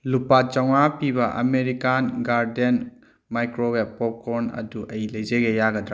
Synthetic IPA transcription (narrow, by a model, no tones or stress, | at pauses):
lupat͡ʃawŋapibɐʔɐ̰meɾikanɡaɾden | majkɾowepːɔp̚koɾnɐ̰duʔɐjilɐjzeɡejaɡɐdɾa